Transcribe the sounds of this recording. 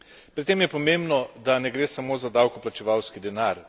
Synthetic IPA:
pɾit̪ːeːmjɛpɔmembnɔd̪anɛɡɾeːsamoːzad̪aːwkɔplat͡ʃɛʋawskid̪ɛnaɾ

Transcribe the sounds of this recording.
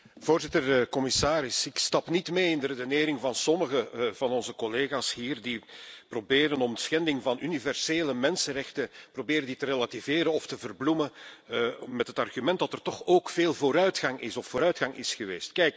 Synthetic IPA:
v̥oːrzɪtərkɔmɪsaːɾɪsɪkstɑpnitmeːɪndəredəneːɾɪŋvɑnsɔməɣəvɑnɔnzəkɔleːɣaːshiːrdiprobeːɾənɔmdəsxɛndɪŋvɑnynivɛrseːləmɛnsənrɛxtəprobeːɾənditərelativeːɾəɔftəvərblumə | mɛtɦətɑrɣymɛnt̚dɑtɛrtɔxoːkfeːlˠvoːɾœɥtxɑŋʔɪ̰sɔfːoːɾœɥtxɑŋʔɪ̰sxəʋḛːstkɛjk

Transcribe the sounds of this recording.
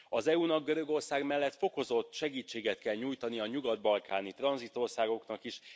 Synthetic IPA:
ɒzɛuːnɒɡɡøɾø̞ɡo̞rsaːɡmɛlːɛt̪fo̞ko̞zo̞t̪ːʃɛɡiːt͡ʃːeːɡɛt̪kɛlɲuːjt̪ɒniɒɲuɡɒd̪bɒlkaːnit̪rɒnzit̪o̞rsaːɡo̞knɒkiʃ

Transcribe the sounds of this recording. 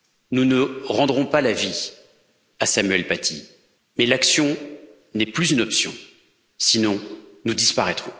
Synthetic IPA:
nunəʁɑ̃d̪ʁɔ̃palavi | asamɥɛlpat̪ʰi | mɛlaksjɔ̃ | nɛplyzynɔpsjɔ̃ | sinɔ̃nud̪ispaʁɛt̪χɔ̃

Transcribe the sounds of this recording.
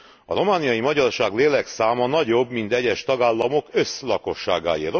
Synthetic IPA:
ɒ̰ro̞maːnijɒjimɒɟɒrʃaːɡleːlɛksaːmɒnɒɟo̞bmint̪ɛɟɛʃt̪ɒɡaːlːɒmo̞kø̞slɒko̞ʃːaːɡa̰ːjḭr

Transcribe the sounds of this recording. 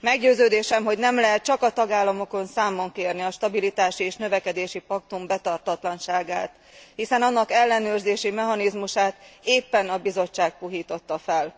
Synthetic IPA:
mɛɡɟøːzøːd̪eːʃɛmɦo̞ɟnɛmlɛɦɛt̪̚t͡ʃɒkɒt̪ɒɡaːlːɒmo̞ko̞nsaːmːoŋkeːrniɒʃt̪ɒbilit̪aːʃieːʃnø̞vɛkɛd̪eːʃipɒk̚t̪umbɛt̪ɒrt̪hɒt̪lɒnʃaːɡaːt̪ | hisɛnɒnːɒkɛlːɛnøːrzeːʃimɛɦɒnizmuʃaːt̪eːpːɛnɒbizo̞t͡ʃːaːk̚puɦiːt̪o̞t̪ːɒfɛl

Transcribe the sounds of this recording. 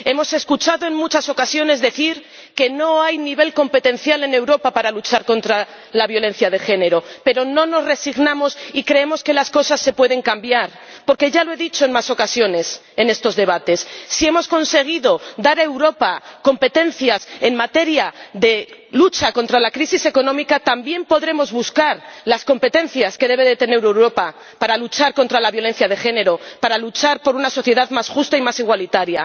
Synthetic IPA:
e̞mo̞se̞skut͡ʃaðo̞e̞ŋmut͡ʃaso̞kasjo̞ne̞zðe̞θiɾ | ke̞no̞ajniβ̞e̞lko̞mpe̞t̪ẽ̞n̟θjale̞ne̞wɾo̞papaɾalut͡ʃaɾko̞nt̪ɾa | laβjo̞le̞n̟θjað̞e̞xe̞ne̞ɾo̞pe̞ɾo̞no̞no̞zre̞siɣnãmo̞sikɾe̞emo̞ske̞lasko̞sasːe̞pwe̞ð̞e̞ŋkambjaɾ | po̞ɾke̞ʝaloe̞ðit͡ʃo̞e̞nmaso̞kasjo̞ne̞s | e̞ne̞st̪o̞zðe̞β̞at̪e̞sːie̞mo̞sko̞nse̞ɣ̞iðo̞d̪aɾaewɾo̞pako̞mpe̞t̪e̞nθjase̞nmat̪e̞ɾjaðe̞lut͡ʃako̞nt̪ɾalakɾisise̞ko̞nomikat̪ambje̞mpo̞ðɾe̞mo̞zβuskaɾlasko̞mpe̞t̪e̞n̟θjaske̞ðe̞β̞e̞ðe̞t̪e̞ne̞uɾewɾo̞pa | paɾalut͡ʃaɾkont̪ɾalaβjo̞le̞n̟θjað̞e̞xe̞ne̞ɾo̞paɾalut͡ʃaɾpo̞ɾunaso̞θje̞ðaðmasxust̪aimasiɣ̞walit̪aɾja

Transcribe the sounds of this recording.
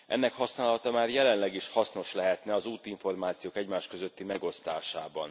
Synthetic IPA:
ʔɛ̰nːɛkhɒsnaːlɒt̪ɒmaːrjɛlɛnlɛɡiʃhɒsno̞ʃlɛɦɛt̪nɛɒzuːt̪iɱfo̞rmaːt̪sijoːkɛɟmaːʃkøzø̞t̪ːimɛɡo̞st̪aːʃaːbɒ̰n

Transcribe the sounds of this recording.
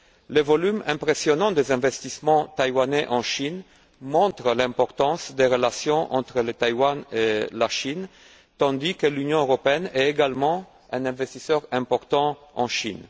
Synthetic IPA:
ləvɔlymɛ̃mpʁesjonɑ̃d̪ezɛ̃vɛst̪ismɑ̃t̪ajwanɛʔɑ̃ʃin | mɔ̃t̪ʁəlɛ̃pɔʁt̪ɑ̃sd̪eʁəlasjɔ̃ʔɑ̃t̪χələt̪ajwanelaʃin | t̪ɑ̃d̪ikəlynjɔ̃øʁopeɛnɛeɡalmɑ̃ | ɛ̃nɛ̃vɛst̪isœʁɛ̃pɔʁt̪ɑ̃ɑ̰̃ʃin

